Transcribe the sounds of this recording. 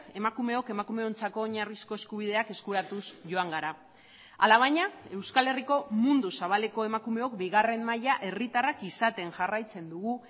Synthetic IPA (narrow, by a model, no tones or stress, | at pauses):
e̞makume̞o̞ke̞makume̞o̞nt͡sako̞ːɲarisko̞e̞skuβ̞ið̞e̞ake̞skuɾat̪usʝo̞aŋɡaɾa | a̰laβ̞ajɲae̞wskale̞riko̞mund̪usaβ̞ale̞ko̞e̞makume̞o̞kbiɣ̞are̞mmajaʔe̞rit̪arakisat̪e̞ŋʝarajt͡se̞nd̪uɣ̞u